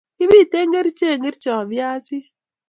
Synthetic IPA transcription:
kɪ˦bi˦˨te˦ŋɡe˦ɾt͡ʃe˦˨ŋɡe˦ɾt͡ʃɔ˨bja˦sɪ˦

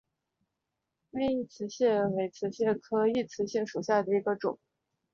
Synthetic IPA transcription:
me˥˧i˥˩t͡sʰɹ̩˧˥ɕjɛ˥˩we˧˥ɪt͡sʰɹ̩˧˥ɕjɛ˥˩kʰɤ˥i˥˩t͡sʰɹ̩˧˥ɕi˥˩ŋʂu˨˩ɕja˥˩d̪ə˩i˧˥ɡə˧ʈ͡ʂʊ̰˨˩˦ŋ

